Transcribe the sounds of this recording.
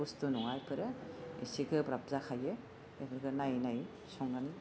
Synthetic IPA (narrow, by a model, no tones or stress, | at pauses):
ustunɔŋajpʰɯɾɯḭsiɡɯbɾap̚zakʰaje | ebɯɾɡɯnajnaj | sɔŋɡani